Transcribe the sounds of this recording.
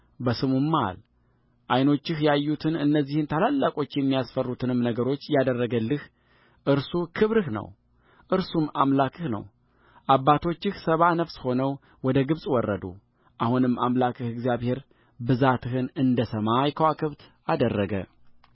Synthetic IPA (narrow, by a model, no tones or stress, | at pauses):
bəsɨmumːa̰l | ʔajno̞t͡ʃːɪhjajːut̪ʰɨnɨnːəzːihɨnt̪ʰalalːakʼo̞t͡ʃːjɛmːijasfərːut̪ʰɨnɨmːnəɡəɾo̞t͡ʃːjad̪ərːəɡəlːɨh | ʔɨɾsukʰɨβɾɨhnə̰w | ʔɨɾsumamlakʰɨhnə̰w | ʔabːat̪ʰo̞t͡ʃːɪhsəβanəfsho̞nəw | wɔd̪əɡɨβsʼwɔrːə̰d̪ṵ | ʔahunɨmːamlakʰɨhɨɡzijaβhe̞ɾ | bɨzat̪ʰɨhɨnɨnd̪əsəmajkʰəwakʰɨβt̪ | ad̪ərːəɡə̰